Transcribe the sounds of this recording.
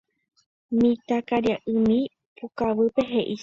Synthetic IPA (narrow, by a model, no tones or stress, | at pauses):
mĩt̪akaɾjaʔɨ̃mĩ | pukaʋɨpe̞ɦe̞ʔi